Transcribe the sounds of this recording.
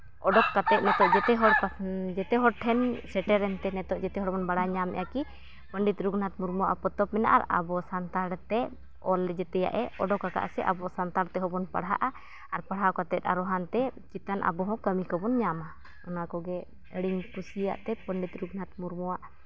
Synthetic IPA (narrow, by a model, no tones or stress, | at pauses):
ɔɖɔkːat̪ɛt̪̚nɛt̪ɔʔd͡ʒɛt̪ɛɦɔɽkd͡ʒɛt̪ɛɦɔɽʈʰɛnsɛʈɛɾɛnt̪ɛnɛt̪ɔʔd͡ʒɛt̪ɛɦɔɽbɔnbaɽaɲamɛ̰jaki | pəɳɖit̪ɾuɡnat̪̚muɾmuwaʔapɔt̪ɔpmɛna̰ʔa̰ɾa̰bɔsant̪aɽt̪ɛ | ɔlɛd͡ʒɛt̪ɛja̰ʔɛɔɖɔkaka̰ʔsɛʔabɔsant̪aɾt̪ɛɦɔbɔnpa̰ɽɦa̰ʔa | aɾpaɽɦakat̪ɛt̪̚ˀa̰ɾɔɦant̪ɛt͡ʃit̪anʔa̰bɔɦɔ̃kəmikɔbɔnɲama | ɔnakɔɡɛ | əɽiɲkusija̰ʔt̪ɛpəɳɖit̪ɾuɡnat̪̚muɾmuwaʔ